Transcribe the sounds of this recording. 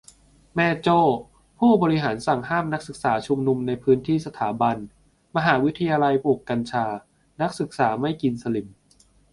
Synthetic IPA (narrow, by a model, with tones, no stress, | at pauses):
mɛː˧t͡ɕoː˥˩ | pʰuː˥˩bɔː˧ɾi˦ɦaː˩˦nsa˨˩ŋɦaː˥˩mna˦˥k̚sɯ˨˩k̚saː˩˦t͡ɕʰu˧mnu˧mna˧jpʰɯː˦˥nt̪ʰiː˥˩sa˧t̪ʰaː˩˦ba˧n | ma˧ɦaː˩˦wi˦˥t̪ʰːa˧jaː˧la˧jpuː˨˩kːa˧nt͡ɕʰaː˧ | na˦˥k̚sɯ˨˩k̚saː˩˦ma˥˩jki˧nsa˧li˨˩˦m